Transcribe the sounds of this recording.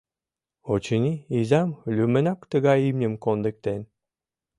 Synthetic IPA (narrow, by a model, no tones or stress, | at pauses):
ot͡ɕənʲiizɑmlʲymə̆nɑkt̪ə̆ɣɑjimnʲəmkond̪ĕk̚t̪en